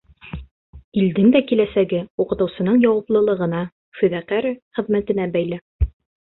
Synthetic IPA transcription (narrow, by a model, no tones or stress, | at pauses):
ild̪ɘnd̪ækilæsæɡɘuqɤ̆t̪ɤ̆wsɤ̆nɤɴjɒwɑplˠɤ̆lˠɤ̆ʁɤ̆nɑ | fɵ̆ðæqæɾχɘ̆ðmæt̪ɘ̆næbæjlæ